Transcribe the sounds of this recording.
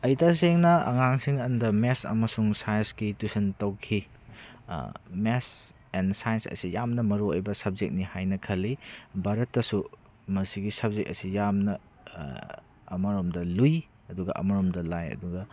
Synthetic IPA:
ɐjtas̬eŋnɐɐ̰ŋaŋsiŋɐndɐmesɐ̰mɐsuŋsajnsɡitusɐntɐwkʰi | mes | ensajnsɐ̰sijamnɐmɐɾoojbɐsɐb̚zek̚nihajnɐkʰɐlːibaɾɐtːɐsu | mɐsiɡisɐb̚zek̚ɐ̰sijamnɐ | ɐmɐɾomdɐluj | ɐduɡɐ̰ʔɐ̰mɐɾomdɐlajɐ̰duɡɐ

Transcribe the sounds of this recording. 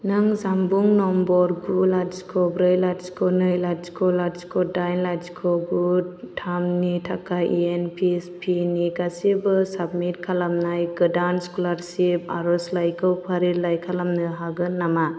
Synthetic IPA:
nɯŋzambuŋnɔmbɔɾɡulasikʰɔbɾɯjlaskʰɔnɯjlaskʰɔlaskʰɔdajnladzkʰɔɡutʰamnitʰakaʔienpʰispʰiniɡasibɯsabmit̚kʰalamnajɡɯdanskulaɾsipa̰ɾɔslajkʰɯwpʰaɾilajkʰalamnɯɦaɡɯnːama

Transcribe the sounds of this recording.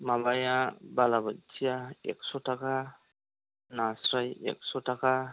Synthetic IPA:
mabajabalabat̚t͡ʃijaɛ̰k̚sɔtaka | nasɾajɛ̰k̚sɔtaka

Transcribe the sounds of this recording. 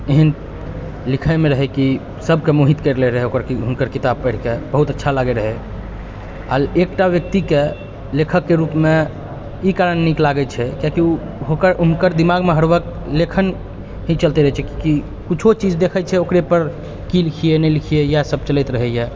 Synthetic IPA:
eɦən | likʰəmeɾəɦɛki | səbkemuɦit̪kəɾlɛɾəɦɛokəɾkiɦunkəɾkit̪ab̚pəɽ̤kebəɦut̪ətːʃʰalaɡɛɾəɦɛ | a̰ekʈaʋjək̚t̪ike | lekʰəkːeɾupme | ikaɾənːiklaɡət͡ʃʰɛkjakiu | ɦokəɾunkəɾd̪imaɡmeɦəɽbək | lekʰən | ɦĩt͡ʃəlt̪eɾəɦɛt͡ʃʰɛkiki | kut͡ʃʰot͡ʃid͡ʒd̪ekʰət͡ʃʰɛokɾepəɾ | kilikʰijenɛlikʰijejasəb̚t͡ʃəlɛɪt̪ɾəɦɛjɛ

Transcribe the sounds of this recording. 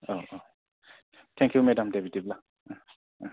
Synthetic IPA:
oʔo | t̪ʰɛ̃ŋkʰjumɛdamdebitibla

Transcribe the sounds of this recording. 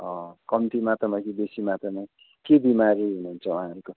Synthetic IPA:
ʌ̃kʌmt̪imat̪ʌmakibesimat̪ʌma | kebimaɾiɦunuɦunt͡sʰʌuɦãɦʌɾuko

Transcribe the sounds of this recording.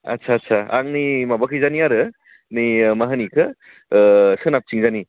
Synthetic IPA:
ɐ̰tsʰatsʰaa̰ŋnimabɐkʰɯjzaniaɾɯ | nimɐɦɐnikʰɯ | sɯnap̚t͡ʃiŋzani

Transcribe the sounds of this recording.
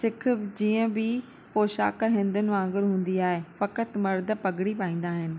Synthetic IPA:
sɪk̆ʰd͡ʑiːə̃bɪ | poːʃa̰ːkɦɪ̃nd̪ʊnɪʋãːŋɡɪɾɦũːn̆d̪iaːɦefɐkət̪mɐɾd̪ə̆pɐɡɪɽipaːĩːn̆d̪aːɦɪnɪ̆

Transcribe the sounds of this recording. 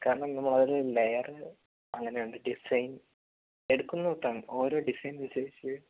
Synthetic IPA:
kaːɾɐɳɐmnɐmːɐɭɐðilɨlejɐrɨ | ɐŋːɐne̞joɳɖɨɖisɐjn | e̞ɽukːunːɐot̪ːaːɳo̞ːɾo̞ːɖisɐjnunseːit͡ɕː

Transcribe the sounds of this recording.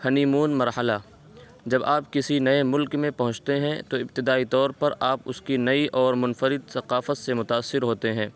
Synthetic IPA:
hɐniːmuːnmɐɾhəlaː | d͡ʒɐbaːpkɪsinɐemʊlkmẽpɐɦʊ̃t͡ʃt̪eɦɛ̃t̪oɪbt̪ɪd̪aːit̪ɔːɾpɐɾʔaːpʊskinɐiʔɔːɾmʊnfəɾɪd̪sɐqaːfət̪semʊt̪aːsːɪɾɦoːt̪eɦɛ̃ː

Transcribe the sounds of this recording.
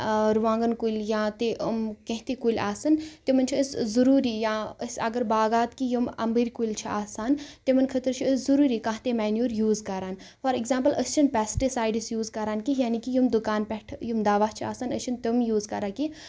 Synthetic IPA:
ɾʋãːŋɡənkulʲjãːt̪eʔəmkẽɦt̪ekulʲaːsɐnt̪emɐnt͡ʃʰiəszuɾuːɾijãːəsʲɐ̰ɡəɾbaːɡaːt̪kijumɐ̰mbəɾʲkulʲt͡ʃʰiaːsaːnt̪emɐnkʰət̪əɾt͡ʃʰiəszuɾuːɾikãɦt̪emaːnjuːɾjuːzkɐɾaːnfɐɾiɡzaːmpəlʔəst͡ʃʰinpʲɛːsʈisaːjɖisjuːzkɐɾaːnkijaːnikijumd̪ukaːnpɛʈʰjumd̪aːʋat͡ʃʰia̰ːsanəst͡ʃʰint̪emjuːzkɐɾaːki

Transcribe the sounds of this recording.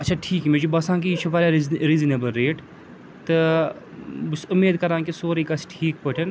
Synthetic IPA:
ɐtːt͡ʃʃʰaʈʰiːkmẽd͡ʒubɐsãːkit͡ʃʰubaːɾaɾizineːbəlɾeːʈ | t̪ɨ | busʊmːeːd̪kɐɾãːŋkisoːɾikɐsʈʰiːkpɐʈʰɐn

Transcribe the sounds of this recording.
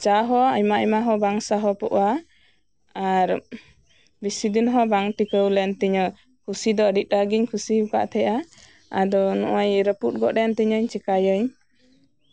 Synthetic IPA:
t͡ʃaɦɔaɲmaʔəjmaɦɔbaŋsaɦɔpɔʔwa | aɾ | bisid̪inɦɔbaŋʈikəwlɛnt̪iɲɔ | kʰusid̪ɔəɖit̪̚ˀɾaɡiɲkʰusiuka̰ʔt̪ʰɛʔa | a̰d̪ɔnɔ̰ʔajɾəput̪̚ˀɡɔʔɾɛnt̪iɲəɲt͡ʃɛkajəɲ

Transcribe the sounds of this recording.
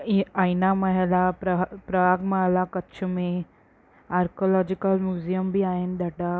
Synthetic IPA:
ainaməɦɛlapɾəpɾəʋaɡmaɦlakətːt͡ʃʰəmẽ | aɾkolɔd͡ʑikəlmjuzijəmbʱiːaend̪aʈa

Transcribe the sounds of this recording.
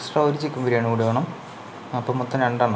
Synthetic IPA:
sʈrɐoɾut͡ɕːikʲːumʋɐɾijaːɳɨkuɽiʋɐːɳɐm | ɐpːoːmut̪ːɐneɳɖaːɳ

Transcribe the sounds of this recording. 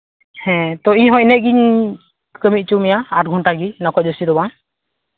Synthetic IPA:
hɛ̃t̪ɔiɲɦɔ̃ʔnɛʔ̚ˀɡiɲ | kəmit̪̚ˀt͡ʃumijaaʈ̚ɡʱunʈaɡinɔkɔc̚ɔsiɾɔbaŋ

